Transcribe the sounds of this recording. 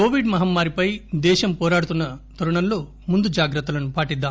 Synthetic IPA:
koːʋiɖmɐɦɐmːaːɾipɐjd̪ɛːʃɐmpɔːɾaːɽut̪unːɐt̪ɐɾuɳɐnloː | mund̪ud͡ʒaːɡɾɐt̪ːulɐnupaːʈid̪ːaː

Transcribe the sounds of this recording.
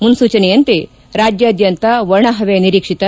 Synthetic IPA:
munsuːt͡ɕɐnejɐnt̪e | ɾad͡ʒjɐːd̪jɐnt̪aʋɐɾɳaɦɐʋejniɾikʂit̪ɐ

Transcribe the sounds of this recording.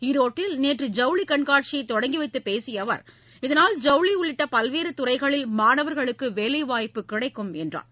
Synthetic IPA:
ɪɾoːʈːɪlneːʈrɯd͡ʒɐʊɭikɐɳkaːʈ̚t͡ʃɪjɐɪt̪ːɔɽɐŋɡiʋɐɪt̪ːɯpeːsɪjɐʋɐ̰ɾ | ɪðɐnaːld͡ʒɐʊɭiʊɭːɪʈːɐpɐlʋeːɾɯt̪ʊɾɐɪɣɐɭɪlmaːnɐʋɐɾɣɐɭɯkːɯʋeːlɐɪʋaːjpːɯkːɪɽɐɪkːɯmɛndra̰ːn

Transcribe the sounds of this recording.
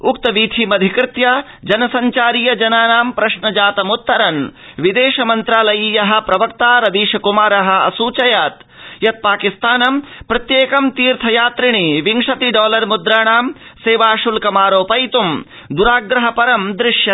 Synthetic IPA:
ukt̪ɐʋiːt̪ʰimɐd̪ʱikɾɪt̪jɐ | d͡ʒɐnɐsɐɲt͡ʃaːɾijɐd͡ʒɐnaːnaːmpɾɐʃɳɐd͡ʒaːt̪ɐmut̪ːɐɾɐnʋid̪eːʃɐmɐnt̪ɾaːlɐjiːjɐɦɐ̆pɾɐʋɐk̚t̪aːɾɐd̪iːʃɐkumaːɾɐɦɐ̆ɐ̰suːt͡ʃɐjaːt̪ | jɐt̪̚paːkist̪aːnɐmpɾɐt̪jeːkɐmt̪iːɾt̪ʰɐjaːt̪ɾiɳiʋiŋʂɐt̪iɖɔːlɐɾmud̪ɾaːɳaːmseːʋaːʃulkɐmaːɾoːpɐjt̪um | d̪uɾaːɡɾɐɦɐpɐɾɐmd̪ɾɪʂjɐ

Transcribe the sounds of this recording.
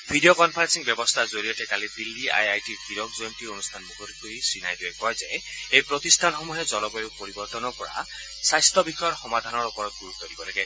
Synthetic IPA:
bʱidiokɔnpʰaɹensiŋbjɔbɔst̪ʰazoɹiɔtɛkalibilːia̰jajtiɹkiɾɔkzoemtionustʰanmukʰodik̚ɡoɦisinajdiekɔjzɛejpɹɔt̪istʰanxɔmuɦezɔlɔbɔjopoɹibɔɾt̪ɔnɔpɔɹa̰ | sajst̪ʰɔbixɔjɔɹxɔmad̪ʱanɔɹupɔɹɔt̪̚ɡuɹut̪ʰːɔdibɔlaɡɛ

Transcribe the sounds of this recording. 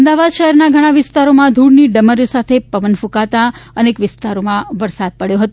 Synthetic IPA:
əmd̪aʋad̪ʃəɦɛɾnaɡʱəɽ̃ãʋɪst̪aɾomãd̪ʱuɽniɖəməɾjosat̪ʰepəʋənfũkat̪aənekʋɪst̪aɾomãʋəɾsad̪̚pəɽjoɦət̪o

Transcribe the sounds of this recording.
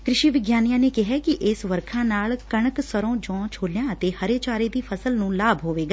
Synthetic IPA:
kɾɪʃiːʋɪɡjaːnijãːneːkɪɦɛːkɪʔɪsʋəɾkʰãːnaːlkəɳəksəɾõːd͡ʒɔ̃ːt͡ʃʰoːljãːət̪eːhəɾeːt͡ʃaːɾeːd̪iːpʰəsəlnũːlaːbʱɦoːʋeːɡaː

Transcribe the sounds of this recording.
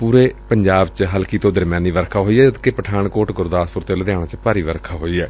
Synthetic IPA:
puːɾeːpəɲd͡ʒaːbt͡ʃɦəlkiːt̪õːd̪əɾmjãːniːʋəɾkʰaːɦoːiːɛːd͡ʒəd̪kepəʈʰaːɳkoːʈɡʊɾd̪aːspʊɾt̪eːləd̪jaːɽãːt͡ʃpaːɾiːʋəɾkʰaːɦoːiːɛː

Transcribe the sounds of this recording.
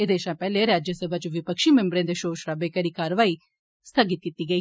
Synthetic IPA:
eːd̪eːʃãːpɛːleːɾaːd͡ʒəsəbʱaːt͡ʃʋɪpəkʃiːmɛ̃mbɾẽːd̪eːʃoːʃɾaːbeːkəɾiːkaːɾəʋaːiː | st̪ʰəɡɪt̪̚kiːt̪iːɡəiː

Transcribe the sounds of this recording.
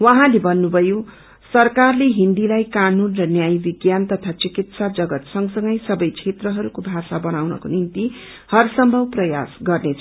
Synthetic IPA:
wʌɦãlebʌnːubʱʌjo | sʌrkarleɦind̪ilajkanunrʌnjajbiɡjant̪ʌt̪ʰat͡sikit̪sad͡zʌɡʌt̪sʌŋsʌŋɡʌjsʌbʌjt͡sʰet̪rʌɦʌɾukobʱasabʌnawnʌ̰konint̪i | hʌrsʌmbʱʌwprʌja̰sɡʌrnet͡sʰ

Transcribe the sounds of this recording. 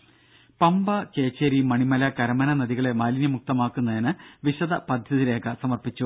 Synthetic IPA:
pɐmbɐke̞ːt͡ɕːeɾimɐɳimɐlɐkɐɾɐmɐnɐnɐðiɣɐɭe̞maːlinjɐmuk̚t̪ɐmaːkːunːɐðinɨʋiɕɐðɐpɐd̪ʱjɐðiɾe̞ːkɐsɐmɐrpit͡ɕːu

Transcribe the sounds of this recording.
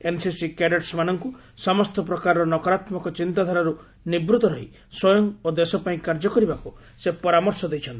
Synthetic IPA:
ensisikeɖeʈsmanɔŋku | sɔmɔst̪ɔp̬ɾɔkaɾɔɾɔnɔkɔɾat̪mɔkɔt͡ʃint̪ad̪ʱaɾaɾu | nibɾut̪ɔɾɔɦi | swɔjɔŋod̪esɔpaĩkaɾd͡ʒɔkɔɾibaku | sepɔɾamɔɾsɔd̪ejt͡ʃʰɔnt̪i̥

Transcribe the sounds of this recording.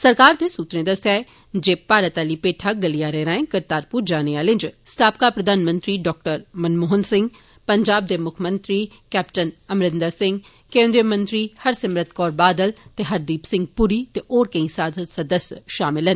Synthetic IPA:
sɐɾkaːɾd̪esuːt̪ɾẽd̪ɐsae | d͡ʒeːpaːɾət̪aːlipeːʈʰaɡɐlijaɾɛɾaːẽkɐɾt̪aːɾpuːɾd͡ʒaːneaːlɪ̃nd͡ʒst̪ʰaːp̚kapɾɐd̪ʱaːnmə̃nt̪ɾiɖɔːk̚ʈəɾmɐnmoːɦənsɪ̃ŋɡ | pɐɲd͡ʒaːb̚d̪emʊkʰmə̃nt̪ɾi | kɛːpʈənɐmɾɪnd̪asɪ̃ŋɡ | kẽːnd̪ɾijəmə̃nt̪ɾihɐɾsɐmɾət̪̚kɔːɾbaːd̪əlt̪eɦɐɾd̪iːpsɪ̃ŋɡ̚puɾit̪eʔɔːɾkɐ̃ĩsaːd̪ət̪sɐd̪əsjʃaːmɪlɦən

